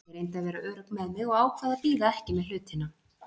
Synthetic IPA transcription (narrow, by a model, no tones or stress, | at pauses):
ɛɾejnt̪aðvɛːɾaœːɾʏkmɛðmɪðɔɣaːwkʰvaðapiːðaɛhcɪmɛðl̥ʏːt̪hɪnːa